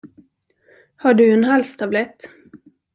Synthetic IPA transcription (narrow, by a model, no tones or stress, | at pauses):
haɖɵɛnɦalst̪ʰablɛt̪ː